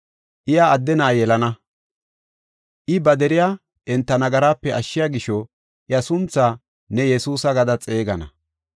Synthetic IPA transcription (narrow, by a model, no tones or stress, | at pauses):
ʔɪjaːd̪ːɛnɐʔːjɛlɐnɐ | ʔɪbɐd̪ɛɾɪjaː | ʔɛnt̪ːɐnɐɡɐɾaːpːɛɐʃːɪjaːɡɪʃɔ | ʔɪjɐsʊnt͡saː | nɛjɛsuːsɐɡɐd̪ɐt͡sʼe̞ːɡɐnɐ̰